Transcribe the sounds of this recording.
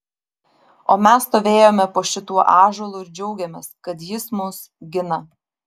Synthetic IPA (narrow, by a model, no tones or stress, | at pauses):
oːmʲɛsst̪oːʋʲeːjoːmʲɛpoːʃʲɪt̪uɔʔɑːʒoːlˠʊɪɾd͡ʒʲɛʊɡʲɛmʲeːskɐt̪jɪsmʊs | ɡʲɪnɐ